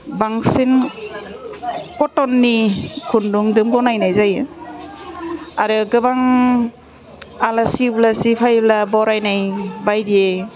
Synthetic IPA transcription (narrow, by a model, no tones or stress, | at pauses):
baŋsin | kɔtɔnːikʰunduŋdɯmɡɔnajnajzajɯ | aɾɯɡɯβaŋ | alasiblasipʰajblabɔɾajnajbajdie